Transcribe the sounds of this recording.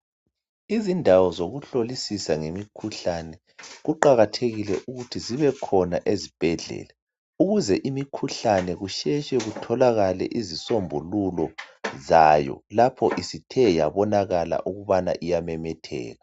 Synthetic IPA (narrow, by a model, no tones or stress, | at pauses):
izindʱawɔzoɣuɬolisisaŋemikʰuɬanɛ | ɣuǃaɣatʰeɣilɛʔuɣutʰiziβɛkʰɔnaʔezib̥ʱɛɮɛ̰ːla | uɣuzɛʔimikʰuɬanɛɣuʃɛʃɛɣutʰɔlaɣalɛ̰ʔizisombʱululɔzajɔ̰lapʰɔʔisitʰɛjaβɔnaɣala̰ʔuɣuβana̰ʔijamɛmɛtʰɛ̰ːɣa